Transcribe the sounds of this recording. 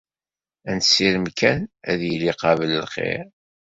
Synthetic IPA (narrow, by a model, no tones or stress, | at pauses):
ænt̪sːiɾəmkænæðjəliqɑvələlχḛɾ